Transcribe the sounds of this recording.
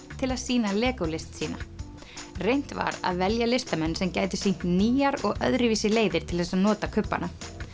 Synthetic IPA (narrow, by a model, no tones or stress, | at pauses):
t̪ʰɪlaðsiːnalɛːkowlɪst̪siːna̰ | rejn̥t̪va̰ɾa̰ðvɛljalɪst̪amɛnːsɛmcaːjt̪ʏsin̥t̪niːaɾɔɣœ̰ðɾɪviːsɪleːjðɪɾ̥t̪ʰɪlθɛsanɔːt̪akʰʏpːa̰na